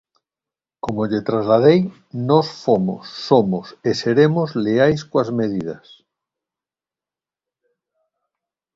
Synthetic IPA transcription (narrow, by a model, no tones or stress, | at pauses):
komoʎet̪ɾazlað̞ej | nɔsfomo̰sːomoseseɾemozleajskoazmeð̞ið̞as